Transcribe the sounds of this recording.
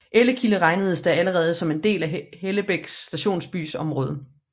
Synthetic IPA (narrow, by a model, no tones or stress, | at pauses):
ʔeləkʰiləʁɑ̈ɪnəð̞̩ˠəsd̥ææləʁɛːð̞̩ˠəsɒ̽me̝nd̥e̝̰ːlæheləb̥eɡ̥sːd̥æɕo̝̰ːnsb̥y̰ːsɒ̽mʁɔ̽ːð̞ˠə